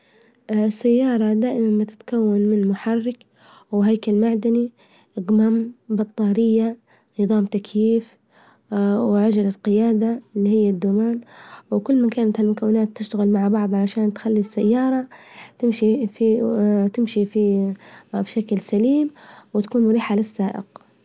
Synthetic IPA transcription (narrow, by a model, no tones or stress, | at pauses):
ɪsːajːɑːɾˤɑd̪aːʔɪmanmɪt̪ɪ̥t̪kawːanmɪnmʊħɑrːɪk | wɦajkalmaʕd̪ani | ʔɡmaːmbɑt̪ˤːɑːɾɪjːa | nɨðˤɑːmt̪akjiːf | wʕad͡ʒalaqɪjaːd̪alːihɪjːad̪ːuːmaːnwɪkʊlːmankaːnat̪halmʊkawːɪnaːt̪ːɪʃt̪aɣɪlmaʕbɑʕðˤʕalaʃaːnt̪xalːisːajːɑːɾˤɑt̪ɪmʃifit̪ɪmʃifi | bʃaklsaliːmwɪt̪ḁkuːnmʊɾiːħalɪsːaːʔɪ̰q